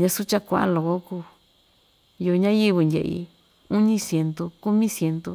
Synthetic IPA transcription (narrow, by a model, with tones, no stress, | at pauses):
ɲã˧su˦t͡ʃa˦kʷa˧˨ʔa̰˦˧lo˨ko˦kuː˧˨ | jo˧ɲã˦ji˦βɨ˧ndʲḛ˧˨ʔḭ˧ | u˦ɲĩ˦sje˧nt̪u˧ku˦mĩ˦sje˧nt̪u˧